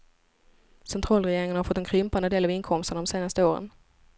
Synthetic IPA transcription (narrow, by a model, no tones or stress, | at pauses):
sɛnt̪ʰɾɑːlɾɛjeːɾɪŋənhaɾfɔt̪ːɛnkʰɾʏmpand̪əd̪eːlɑvɪnkʰɔmst̪əɳad̪ɔmseːnast̪əoːɾə̰n